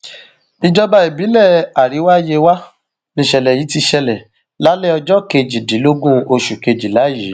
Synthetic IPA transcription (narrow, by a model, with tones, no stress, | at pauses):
nĩ˦˧d͡ʒɔ˦ba˧i˨bi˨˦lɛ˦˨a˨ɾi˨˦wa˦je˧wa˦ | nĩ˧˨ʃɛ˨lɛ˨ji˨˦ti˧ʃɛ˧lɛ˨ | la˨˦lɛ˦ɔ˧d͡ʒɔ˦ke˧d͡ʒi˨di˨˦lo˦ɡũ˦o˧ʃu˨ke˧d͡ʒi˨la˨˦jiː˨˦